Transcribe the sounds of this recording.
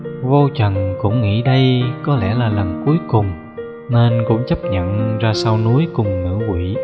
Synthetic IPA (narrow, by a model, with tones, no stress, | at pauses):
vo˧t͡ɕə˨˩nkʊ̰˧˥ŋ͡mŋḭ˧˥ɗə˧jkɔ˨˦lɛ̰˧˩laː˨˩lə˨˩nku˨˦əjkʊ˨˩ŋ͡m | ne˧nkʊ̰˧˥ŋ͡mt͡ɕə˦˥p̚ɲə̰˧˨nzaː˧saː˧wnu˨˦əjkʊ˨˩ŋ͡mnɨ̰˧˥kwi˧˨